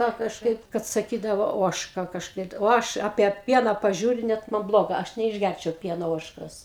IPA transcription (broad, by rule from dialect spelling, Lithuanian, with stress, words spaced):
kɐ kɐʃˈkɐɪp kɐt sɐˈkʲiːdɐʋoː ˈoːʃkɐ kɐʃˈkɐɪ oː ˈɐʃ ɐpʲiɛ ˈpʲiɛnɐ pɐˈʒʲuːrʲʊ ˈnʲɛt mɐn ˈblˠoːɡɐ ˈɐʃ nʲɛɪʒʲˈɡʲærʲt͡ʃʲɛʊ ˈpʲiɛnoː ˈoːʃkoːs